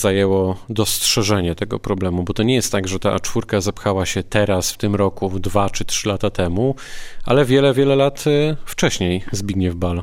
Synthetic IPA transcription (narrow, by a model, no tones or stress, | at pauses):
z̥ajɛwɔd̪ɔstʂɛʐɛɲɛt̪ɛɡɔ̰pɾɔblɛmubɔt̪ɔɲɛjɛst̪t̪ːaɡʐɛt̪a̰t͡ʂfuɾkazapxawaɕɛt̪ɛɾasft̪ɘmɾɔkud̪vat͡ʂɘt̪ʂɘlat̪at̪ɛmu | a̰lɛvʲjɛlɛvʲjɛlɛlat̪ft͡ʂɛɕɲejzbʲiɡɲɛvbal